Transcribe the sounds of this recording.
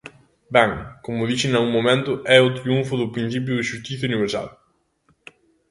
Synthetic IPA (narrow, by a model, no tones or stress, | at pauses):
bɛŋkomʊðiʃɪnauŋmomẽnt̪ʊʔɛʊt̪ɾiuɱfʊðʊpɾin̟θip̬jʊðɪʃust̪iθjɐuniβ̞eɾsa̰l